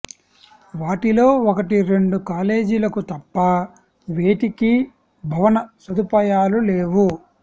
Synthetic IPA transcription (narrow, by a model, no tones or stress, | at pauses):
ʋaːʈilo̞ːokɐʈiɾe̞ɳɖukaːle̞ːd͡ʒilɐkut̪ɐpːɐ | ʋe̞ːʈiki | bʱɐʋɐnɐsɐd̪upɐːjaːlule̞ːʋu